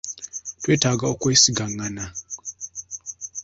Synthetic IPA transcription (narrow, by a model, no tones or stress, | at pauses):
tweːtaɡaokweːsiɡaŋana